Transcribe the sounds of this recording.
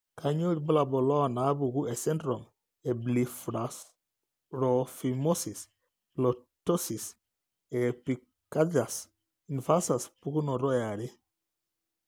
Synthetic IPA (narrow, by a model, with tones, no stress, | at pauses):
ka˨ɲo˦ɾi˨bɔ˦la˨bɔ˨lɔ˦˨na˨˦bu˨ɡu˦ɛ˨sɛ˦ndɾɔ˨m | e˨bli˨fɾa˨s | ɾo˨fi˨mo˦si˨s | lo˨to˦si˨s | e˨pi˨ | ka˦d͡ʒa˨s | i˨nfa˦sa˨spu˦ku˦nɔ˨ɾɔ˦ja˨ɾi˦